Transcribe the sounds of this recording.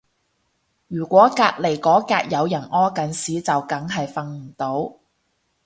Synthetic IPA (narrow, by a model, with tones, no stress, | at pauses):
jyː˨˩kʷɔː˨˥kaː˧k̚le˨˩jkɔː˨˥kaː˧k̚jɐ˨˧wjɐ˨˩nɔː˥kɐ˨˥nsiː˨˥t͡sɐ˨wkɐ˨˥ŋɦɐ˨jfɐ˧ŋm̩˨˩t̪o˨˥w